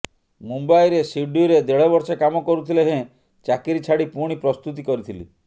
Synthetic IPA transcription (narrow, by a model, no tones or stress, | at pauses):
mumbajɾesiɖuɾed̪eɭɔbɔɾsekamɔkɔɾut̪ʰileɦẽ | t͡ʃakiɾit͡ʃʰaɽipuɽ̃ipɾɔst̪ut̪̬ikɔɾit̪ʰilḭ